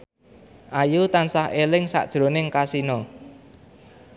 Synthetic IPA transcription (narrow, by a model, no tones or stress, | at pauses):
ʔajut̪ansaɦʔelɪŋsa̰ʔd̥ʒ̥ɾo̤nɪŋkasinɔ